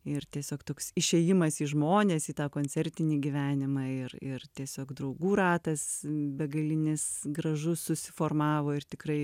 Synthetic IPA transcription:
ɪrt̪ʲiɛsʲoːkt̪oːksɪʃʲeːjɪmɐsiːʒmoːnʲeːsiːt̪ɑːkoːnʲt͡sʲɛɾʲt̪ʲɪnʲiːɡʲiːʋʲæːnʲɪmɑːɪrɪrt̪ʲiɛsʲoːkd̪ɾɐʊɡuːɾɑːt̪ɐsbʲɛɡɐlʲɪnʲɪsɡɾɐʒʊssʊsʲɪfoːrmɑːʋoːɪrt̪ʲɪkɾɐɪ

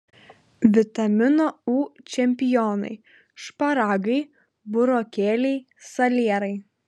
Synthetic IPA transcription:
ʋʲɪt̪ɐmʲɪnoːuːt͡ʃʲɛmʲpʲɪjɔːnɐ̰ɪ | ʃpɐɾɑːɡɐɪ | bʊɾoːkʲeːlʲɛɪ | sɐlʲiɛɾɐɪ

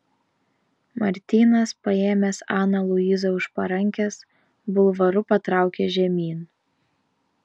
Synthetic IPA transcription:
mɐɾʲt̪ʲiːnɐspɐeːmʲɛsɑːnɐlˠʊɪzɐʊʃpɐɾɐŋʲkʲɛs | bʊlˠʋɐɾʊpɐt̪ɾɑˑʊkʲeʒʲɛmʲiːn

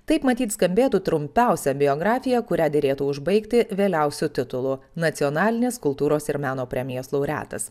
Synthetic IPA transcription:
t̪ɐɪpmɐt̪ʲiːt̪skɐmʲbʲeːt̪uːt̪ɾʊmʲpʲɛˑʊsʲɛbʲɪɔːɡɾɑːfʲɪjɛkʊɾʲæːd̪ʲeɾʲeːt̪uːʊʒbɐɪkt̪ʲɪʋʲeːlʲɛʊsʲut̪ʲɪt̪ʊlˠunɐt̪sʲɪɔnɑːlʲɪnʲeːskʊlˠt̪uːɾoːsɪɾmʲæːnoːpʲɾʲɛmʲɪjoːslˠɐʊɾʲæ̰ːt̪ɐs

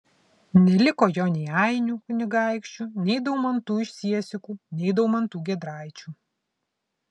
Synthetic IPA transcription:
nʲɛlʲɪkoːjoːnʲɛɪɑɪnʲuːkʊnʲɪɡɑˑɪkʃʲt͡ʃʲunʲɛɪd̪ɐʊmɐnt̪uːɪʃʲsʲiɛsʲɪkuːnʲɛɪd̪ɐʊmɐnt̪uːɡʲɛd̪ɾɑˑɪt͡ʃʲuː

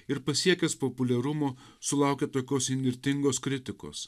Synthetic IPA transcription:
ɪɾpɐsʲiɛkʲɛspopʊlʲɛɾʊmoː | sʊlˠɑˑʊkʲɛt̪oːkʲoːsɪnʲʋ̪ʲɪɾʲt̪ʲɪŋɡoːskɾʲɪt̪ʲɪko̰ːs

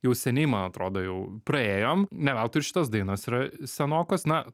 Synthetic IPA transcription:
jɛʊsʲɛnʲɛɪmɐnɐt̪ɾoːd̪oːjɛʊpɾɐeːjoːmnʲɛʋʲɛlˠt̪ʊɪɾʃʲɪ̥t̪ɐsd̪ɐɪnɐsiɾɐsʲɛnoːkosnɐ

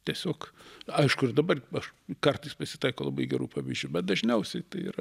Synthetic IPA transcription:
t̪ʲiɛsʲoːkɐɪʃkʊɪrd̪ɐbɐrɐʃkɐrt̪ɐɪspɐsʲɪ̥t̪ɐɪkoːlˠɐbɐɪɡʲɛɾuːpɑːʋʲiːzʲd͡ʒʲuːbʲɛt̪̚d̪ɐʒʲnʲɛʊsʲɛɪt̪ɐɪḭːɾɐ

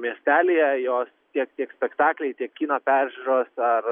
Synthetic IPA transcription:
mʲiɛsʲt̪ʲæːlʲejɛjoːst̪ʲiɛkt̪ʲiɛksʲpʲɛkt̪ɑːklʲɛɪt̪ʲiɛkʲkʲiːnɐpʲæːɾʲʒʲuɾoːsɐr

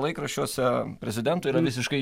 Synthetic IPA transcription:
lˠɐɪkɾɐʃʲt͡ʃʲuɔsʲɛpʲɾʲɛzʲɪd̪ʲɛnt̪ʊiːɾɐʋʲɪsʲɪʃkɐɪ

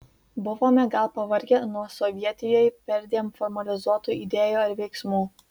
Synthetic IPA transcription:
bʊʋoːmʲɛɡɐlˠpɐʋɐɾʲɡʲɛnuɔsɔʋʲiɛt̪ʲɪjoːjpʲɛɾʲd̪ʲeːmfɔɾmɐlʲɪzuɔt̪uːid̪ʲeːjuːɪɾʋʲɛɪksmuː

